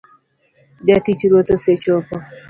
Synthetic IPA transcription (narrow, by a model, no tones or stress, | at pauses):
d͡ʒatit͡ʃɾwot̪oset͡ʃopɔ